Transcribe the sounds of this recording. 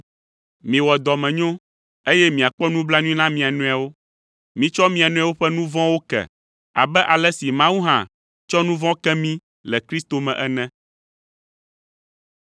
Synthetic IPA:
mĩ˨wɔ˨d̪ɔ˨mɛ̃˨ɲõ˦ | e˦jɛ˦mĩ˨a˨k͡pɔ˦nũ˦bla˦ɲũ˦ĩ˦nã˦mĩ˨a˨nũ˦a˨wo˦ | mĩ˨t͡ʃɔ˦mĩ˨a˨nũ˦a˨wo˦ɸɛ˦nũ˦vɔ̃˦wo˦kɛ̰˨ | a̰˨bɛ˦ʔa˨lɛ˦si˨mã˦wu˦ɦã̰˨ | t͡ʃɔ˦nũ˦vɔ̃˦kɛ˦mĩ˦ | lɛ˨kɾi˦st̪o˨mɛ̃˨ʔɛ˦nɛ̃˦

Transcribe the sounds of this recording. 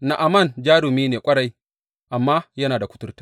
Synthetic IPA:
na˨ʔa˨mɐ˦˨nd͡ʒaː˦ɽʊ˨miː˦neː˨kʷʼɐ˦ɽa˦j | ʔa˨mːaː˦jɐ˦naː˨da˨kʷʊ̥˦tʊ˦rtḁ˦

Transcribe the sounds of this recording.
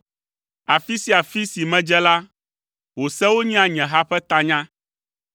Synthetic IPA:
a˨fi˦si˦a˨fi˦si˨mɛ̃˦d͡ʒɛ˦la˦ | wo˨sɛ˦wo˦ɲĩ˦ã˨ɲɛ̃˨ɦa˦ɸɛ˦t̪a˦ɲã˦

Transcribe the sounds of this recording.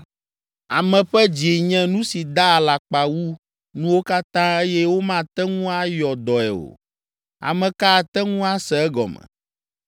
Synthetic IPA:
a˨mɛ̃˨ɸɛ˦d͡ʑi˨ɲɛ̃˦nũ˦si˨d̪a˦˨la˨k͡pa˨wu˦ | nũ˦wo˦ka˦t̪ã˦e˦jɛ˦wo˦mã˦t̪ɛ˦ŋũ˦a˦jɔ˨d̪ɔ˨ɛ̰˨o̰˨ | a̰˨mɛ̃˨ka˦˨t̪ɛ˦ŋũ˦a˦sɛ˨ɛ˦ɡɔ̰˨mɛ̰̃˨

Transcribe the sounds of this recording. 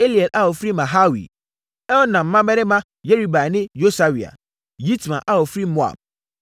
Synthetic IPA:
e˦li˨ɛ˨la˦wɔ˨fɾi˦mã˨ɦa˦wḭ˨ | ɛ˦wɔ˦nã˨m̩˨˦mã˦mɛ˦ɾɪ˦mã˦ | je˦ɾi˦ba˨nɪ̃˦jo˦sa˨wi˨a̰˨ | ji˦tmã̰˨ʔa˦wɔ˨fɾi˦mo˦a̰˨b̚

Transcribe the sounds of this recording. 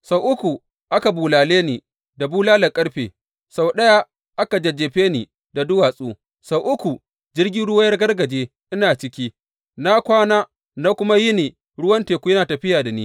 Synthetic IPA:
sa˨wʔʊ˦kʷu˨ | ʔa˦ka˨buː˨laː˨leː˦ni˨ | da˨buː˦laː˦lɐ˨kʼɐ˦ɽɸḛː˨ | sa˨wɗɐ˦ja˦ | ʔa˦ka˨d͡ʒɐ˨d͡ʒeː˨ɸeː˦ni˨ | da˨dʊ˦waː˨sʼuː˦ | sa˨wʔʊ˦kʷu˨ | d͡ʒɪ˦rɡʲɪ˦ɽʊ˦waː˦jɐ˦rɡɐ˦rɡɐ˨d͡ʒeː˦ | ʔɪ˦naː˨t͡ʃɪ˦kʲiː˦ | na˦kʷaː˦naː˦ | na˦kʷʊ˦ma˦jɪ˦niː˨ | ɽʊ˦wɐ˦nteː˨kʷu˦jɐ˦naː˨tɐ˨ɸɪ˦jaː˨da˨niː˦

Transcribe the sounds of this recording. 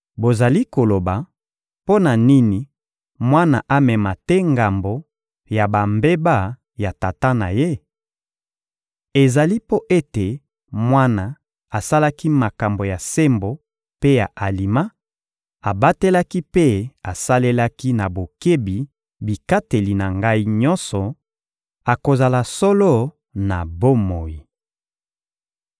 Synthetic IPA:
bo˨za˨li˦ko˨lo˨ba˨ | po˦na˨ni˦ni˨ | mwa˦na˨ʔa˦mɛ˨ma˨tɛ˦ŋɡa˨mbo˨ | ja˨ba˨mbe˦ba˦ | ja˨ta˨ta˦na̰˨je˦ | e˨za˨li˦po˦ʔe˦te˨ | mwa˦na˨ | a˨sa˦la˦ki˦ma˨ka˨mbo˨ja˨se˦mbo˨ | pe˦ja˨ʔa˨li˨ma˦ | a˨ba˦te˦la˦ki˦pe˦a˨sa˦le˦la˦ki˦na˨bo˨ke˦bi˨ | bi˨ka˦te˨li˨na˨ŋɡa˦i˦ɲɔ̃˦nsɔ˨ | a˨ko˨za˨la˨sɔ˦lo˦ | na˨bo˦mo˨ji˨

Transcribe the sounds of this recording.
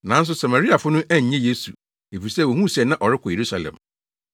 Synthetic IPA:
nã˨˦n̩˦s̬ʊ˦sa˨ma˨ɾi˦a˨fʊ˦nʊ̃˦ʔæ˦ɲ̩˨ɲɛ̃˦je˦su˨ | e˨fi˨sɛ˦˨wɛ˨ɦũ˦˨si˨ɛ˨nã˦ʔɔ˨ɾɪ˦kʰɔ˨je˨ɾu˦sa˨lɛ̰̃˨m

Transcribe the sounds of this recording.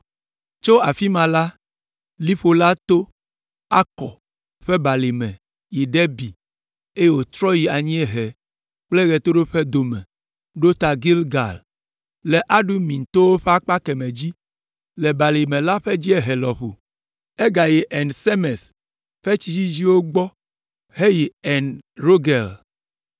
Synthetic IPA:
t͡ʃo˦a˨fi˦mã˨la˦ | li˦ɸo˨la˦t̪o˦ | a˦kɔ̰˨ | ɸɛ˦ba˨li˨mɛ̰̃˨ | ji˨ɖe˦bi˨ | e˦je˦˨wo˨t̪ɾɔ˦ji˨a˨ɲĩ˦e˦ɦɛ˨ | k͡ple˦ɣɛ˨t̪o˦ɖo˦ɸe˦d̪o˨mɛ̰̃˨ | ɖo˦t̪a˨ɡi˦lɡa̰˨l | le˨ʔa˦ɖu˦mĩ˨n˨t̪o˦wo˦ɸe˦a˦k͡pa˦ke˨me˨d͡ʑi˦ | le˨ba˨li˨mẽ˨la˦ɸe˦d͡ʑi˦e˦ɦe˨lɔ˨ɸṵ˨ | e˦ɡa˨ji˨ʔɛ˨nse˦me˨s | ɸe˦t͡ʃi˦d͡ʒi˦d͡ʑi˦wo˦ɡ͡bɔ˦ | he˦ji˨ɛ˨nɾo˦ɡɛ˨l

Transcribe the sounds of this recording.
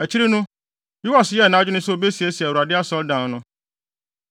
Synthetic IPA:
æ˨t͡ɕʰi˦ɾi˦nʊ̃˦ | ju˦a˨sjɛ˦˨nã˦d͡ʑᶣʊ˦nʊ̃˦sʊ˦o˦be˦si˨e˨˦si˨ɛ˨wu˨ɾa˨dɪ˦a˦sɔ˦ldã˨n˦nʊ̃˦

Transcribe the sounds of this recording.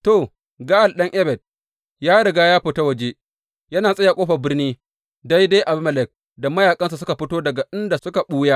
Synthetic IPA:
to˨ | ɡa˦ʔa˨lɗɐ˦ŋʔɛ˦bɛ˨d̚ | jaː˦ɽɐ˨ɡaː˦jaː˦ɸʊ˨ta˦wɐ˨d͡ʒeː˦ | jɐ˦naː˨sʼɐ˦ja˨kʷʼoː˦ɸɐ˨bɪ˦rniː˦ | da˦jda˦jʔa˨bmɐ˨lɛ˨k̚ | da˨mɐ˦jaː˨kʼɐ˦nsa˨sʊ˦ka˨ɸɪ˦toː˦dɐ˨ɡa˨ʔɪ˦nda˨sʊ˦ka˨ɓuː˦jaː˦

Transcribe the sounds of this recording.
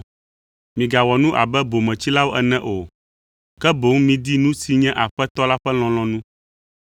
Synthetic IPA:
mĩ˨ɡa˨wɔ˨nũ˦ʔa̰˨bɛ˦bo˨mɛ̃˨t͡ɕi˦la˦wo˦ʔɛ˨nɛ̃˦ʔo˨ | kɛ˦bo˨˦ŋ˦mĩ˨d̪i˦nũ˦si˨ɲɛ̃˦ʔa˨ɸɛ˦t̪ɔ˦la˦ɸɛ˦l̃ɔ̃˨l̃ɔ̃˨nũ˦

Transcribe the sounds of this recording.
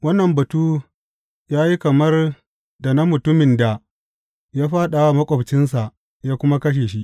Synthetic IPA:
wɐ˦nːɐ˨mbɐ˨tuː˦ | jaː˦ji˦kɐ˨mɐ˦r | da˨na˦mʊ˨tʊ˦mɪ˨nda˨ | jaː˦ɸaː˦ɗa˨wa˦mɐ˦kʷʼɔ˨bt͡ʃɪ˦ns̬a˨ʔ | jaː˦kʷʊ˦ma˦kɐ˦ʃ̬eː˨ʃi˦ʔ

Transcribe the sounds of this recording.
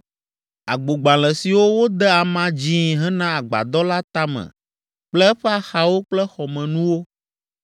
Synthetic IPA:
a˨ɡ͡bo˨ɡ͡bã˨l̃ɛ̃˨si˨wo˦wo˦d̪ɛ˦a˨mã˦d͡ʑi˦˨ɦɛ˦nã˦a˨ɡ͡ba̰˨d̪ɔ˦la˦t̪a˦mɛ̰̃˨ | k͡plɛ˦ɛ˦ɸɛ˦a˨xa˨wo˦k͡plɛ˦xɔ˨mɛ̃˨nũ˦wo˦

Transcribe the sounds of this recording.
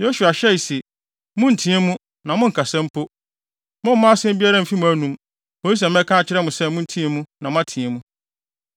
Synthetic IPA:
jo˦su˨a˨ɕɛ˦i˨sɛ˨ | mʊ̃˦n̩˨tʰĩ˨˦ɛ˦mũ˦ | nã˨mʊ̃˦ŋ̩˨kʰa˨sɛ̃˦m˦pʰo˦ | mʊ̃˦m̩˦mã˦a˦sɪ̃˦m˦bi˦a˦ɾã˦m̩˨fi˦mũ˨æ˦nũ˦m | mo˨˦i˦s̬ã˨m˦ɛ˦kʰã˦˨t͡ɕʰɪ˦ɾɛ˦mʊ̃˨sɛ˦mʊ̃˦n̩˦tʰĩ˦ɛ˦mũ˦nã˨mʊ̃˦a˦tʰĩ˨ɛ˦mũ˦

